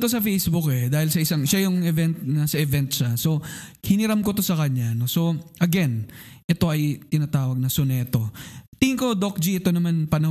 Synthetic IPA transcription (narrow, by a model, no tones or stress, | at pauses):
t̪os̬ɐfejsbʊkɛd̪aːhɪlsɐʔɪsaŋʃajʊŋɛvɛnt̪̚nɐsɐʔɛvɛnt̪ʃaso̞hɪnɪɾamko̞t̪o̞sɐkɐɲːano̞so̞ʔɐɡɛnʔɛt̪o̞ʔɐjt̪ɪnaːt̪aːwɐɡ̚nɐsonɛːt̪o̞t̪ɪhɪŋkod̪ok̚d͡ʒiʔɛt̪o̞nɐmanpɐnɐ